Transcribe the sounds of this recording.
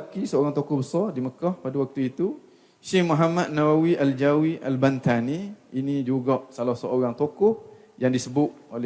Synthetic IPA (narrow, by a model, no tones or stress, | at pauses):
kisəoɾaŋt̪okɔhbəsɔrdiməkɔhpadawak̚t̪uit̪u | ʃehmuɦamat̪̚nawawiʔald͡ʒawiʔa̰lbant̪aniinĩd͡ʒuɡɔʔsalahsəoɾaŋt̪okʊh | jaŋdisəbʊt̪̚olɛ